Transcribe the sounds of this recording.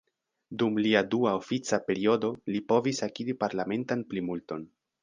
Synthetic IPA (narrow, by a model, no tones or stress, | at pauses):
dumliaduaofit͡sape̞ɾio̞do̞lipo̞visakidipaɾlame̞ntanplimulto̞n